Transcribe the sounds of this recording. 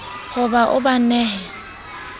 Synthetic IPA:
hʊbaʔʊ̰banɛːhɛ

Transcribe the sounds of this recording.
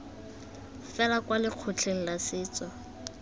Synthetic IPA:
fɛlakwalɪq͡χʰʊt͡ɬʰeŋ̩lasɪːt͡sɔ

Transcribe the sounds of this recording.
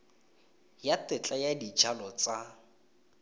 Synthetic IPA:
jatɪt͡ɬʼajadid͡ʒalɔt͡sa

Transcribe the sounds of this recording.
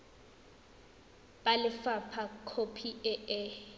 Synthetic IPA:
balɪfapʰakʰopʰiɛɛ

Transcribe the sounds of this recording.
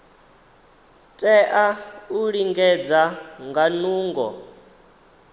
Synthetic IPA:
tʼɛʔauɺiŋɡɛd͡zaŋɡanuːŋɡɔ̰

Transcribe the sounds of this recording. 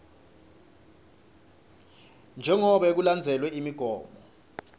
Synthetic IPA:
nd͡ʒʱɛŋɔɓɛk̬uland͡zʱɛlwɛimiɡ̥ʱɔːmbɔ

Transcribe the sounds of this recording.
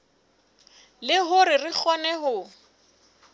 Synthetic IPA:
lɪɦʊɾɪrɪk͡xʰɔnɛɦʊ

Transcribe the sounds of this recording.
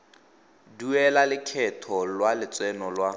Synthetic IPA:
duɛlalɪkʰɛtʰɔlwalɪt͡sʼwɛnɔlwa

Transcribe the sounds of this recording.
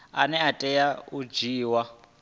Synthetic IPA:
anɛatʼɛjaud͡ʒiːwa

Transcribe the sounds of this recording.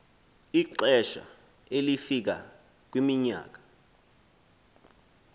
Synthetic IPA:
iǃɛʃa̰ | elifik̬a̰ | k̬wimiɲa̰ːk̬ḁ

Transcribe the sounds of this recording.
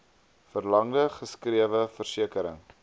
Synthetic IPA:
fərlɐŋdəχəskriəvəfərsiəkəɾə̰ŋ

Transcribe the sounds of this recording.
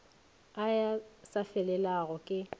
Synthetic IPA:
ajasafɛlɛlaɣɔkʼɪ

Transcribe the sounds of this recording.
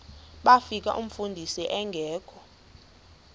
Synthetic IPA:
ɓafik̬ʼa̰ʔum̩fundʱisiʔɛŋɡʱɛːkʰʼɔ̥

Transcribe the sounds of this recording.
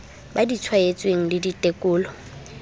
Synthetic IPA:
badit͡sʰwaet͡sʼweŋ̩lɪditʼekʼʊːlɔ

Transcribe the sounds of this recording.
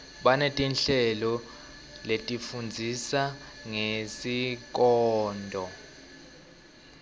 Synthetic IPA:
ɓanetʼinɬɛlɔ | letʼifund͡zʱisaŋesik̬ʼɔːndʱɔ

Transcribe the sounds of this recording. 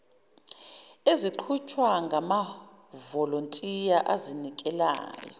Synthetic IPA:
eziǃʰut͡ʃʰwaŋɡʱama | vɔlontʼijaʔazinikʼɛla̰ːjɔ̰

